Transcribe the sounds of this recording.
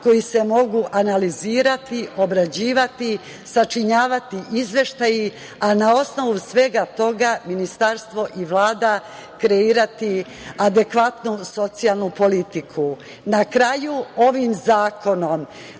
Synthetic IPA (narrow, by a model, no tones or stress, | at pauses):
ko̞jise̞mo̞ɡuʔanaliziːɾat̪io̞bɾad͡ʑiːʋat̪i | sat͡ʃiɲaːʋat̪iʔizʋe̞ʃt̪aji | anao̞sno̞ʋusʋe̞ɡat̪o̞ɡaminist̪aɾst̪ʋo̞ʔiʋlˠaːd̪a | kɾe̞iːɾat̪i | ad̪e̞kʋat̪nuso̞t̪sialˠnupo̞lit̪ikʰu | nakɾajuo̞ʋimzaːkʰo̞no̞m